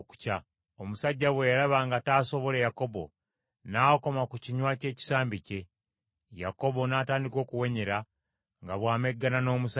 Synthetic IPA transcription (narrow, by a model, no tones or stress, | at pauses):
ku̥ca | omusaɟːaβwejaɾaβaŋɡataːso̞βo̞le̞jako̞bo̞̰ | naːko̞makuciɲwace̞ːci̥saːmbice̞ | ja̰ko̞βo̞naːtaːndiko̞ːkuwe̞ɲe̞ɾa | ŋɡaβwaːme̞ɡːanano̞ːmusa